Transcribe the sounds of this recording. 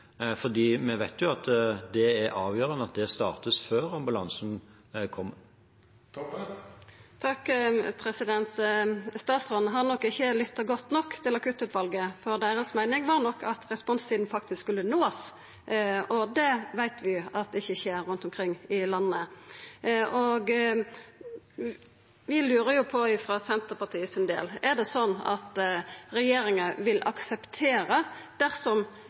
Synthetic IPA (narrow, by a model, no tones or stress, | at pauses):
fɔʁd̪iːmɛʋæɪt̪jʊɑt̪d̪ɛæʔɑːʋjøːɾənəɑt̪̚d̪ɛst̪ɑːʁt̪əsføːɾɑmbʉlɑnsn̩ | kʰɔmː | t̪ʰɑkːpʰɾɛsɪd̪ɛnt̪st̪ɑːt̪sʁɔnːɦɑnɔkːɪçːəlɪt̪ːəɡɔt̪ːnɔkːt̪ʰɪlɑkʉːt̪ʉːt̪ʋɑlɡəfɔʁd̪æːɾəsmæɪnɪŋʋɑːʁnɔkʰːɑt̪ʰʁɛspɔnst̪ʰiːd̪n̩fɑk̚t̪ɪsskʉlːənoːs | ɔd̪ɛʋæɪt̪ʰʋɪɑt̪d̪ɛɪçːəçeːɾːʉnt̪ɔmkʰʁɪŋːɪlɑnːə | ʔɔɡ | ʋɪlʉːɾəjʊpʰɔɪfʁɑsɛnt̪əpɑt̪ʰiːəsɪnd̪ḛːlɛʁd̪ɛsɔnːɑ̰t̪ɾɛjeːɾɪŋəʋɪlʔɑ̰ksɛpt̪ʰeːɾəd̪̥æɾsɔm